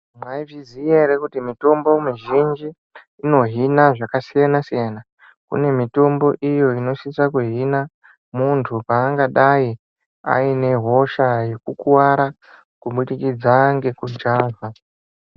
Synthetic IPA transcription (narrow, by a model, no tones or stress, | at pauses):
mwaivizijeɾekutimito̞mbo̞miʒind͡ʒiː | no̞ɦinaʐakasijanasijana | kṵne̞mito̞mbo̞ʔijo̞ino̞ʃisakuɦina | muntʰupaːŋɡaɗai | a̰ine̞ɦo̞ʃaje̞kukuwaɾa | kuɓuɗikid͡zaŋɡe̞kud͡ʒaːva